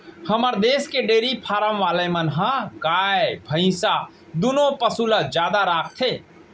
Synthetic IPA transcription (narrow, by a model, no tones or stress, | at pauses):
həməɾd̪eskeɖeɾipʰaɾəmʋalemənɦə̃ɡaebʱə̃ɪ̃sa | d̪unopəsulad͡ʒjad̪aɾak̚ʰt̪ʰe